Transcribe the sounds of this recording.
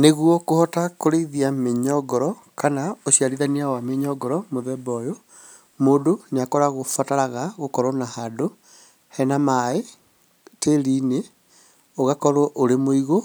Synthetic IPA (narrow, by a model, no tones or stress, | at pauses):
neɣwɔkohɔtakoɾeiðiameɲɔɡɔɾɔ | kanaoɕiaɾiðaniawameɲɔɡɔɾɔmoðɛbɔjo | moːdoneakɔɾaɣofataɾaɣaɣokɔɾɔnahado | hɛnamae | teɾine | oɣakɔɾwɔʔoɾemoiɣo